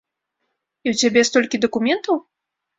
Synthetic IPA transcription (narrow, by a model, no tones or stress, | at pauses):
iwt͡sʲabʲɛst̪ɔlʲkʲid̪ɐkumʲɛnt̪ɐw